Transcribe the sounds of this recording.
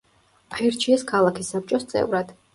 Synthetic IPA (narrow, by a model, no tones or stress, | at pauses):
aiɾt͡ʃʰiɛskʰalˠakʰisːap̚t͡ʃʼɔst̪sʼɛ̰vɾad̪̥